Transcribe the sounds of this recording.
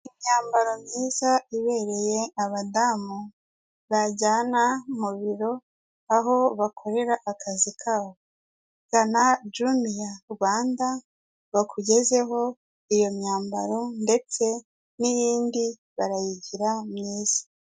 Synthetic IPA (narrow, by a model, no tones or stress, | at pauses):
imɲaːmbaɾo̞mɲiːzaiβeɾe̞je̞aβadaːmu | βaɟaːnamuβiɾo̞ | aɦo̞βakʰo̞ɾe̞ɾaʔakʰazikʰaβo | ɡanad͡ʒumijaɾɡwaːnda | βakʰuɟe̞ze̞ɦo̞ | ijo̞mɲaːmba̰ɾo̞nde̞t͡se̞ | nijiːndi | βaɾajiɟiɾamɲiːz̥ḁ